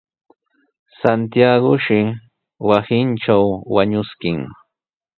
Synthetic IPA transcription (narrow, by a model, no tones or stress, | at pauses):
sant̪ijaɡʊʃɪ | wasɪnʈ͡ʂt͡ʃawwaɲʊskɪŋ